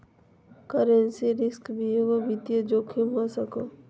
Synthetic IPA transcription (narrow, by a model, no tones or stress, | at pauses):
kəɾensiɾɪskbʱieʋobit̪jəd͡ʒoːkʰimɦosəkoː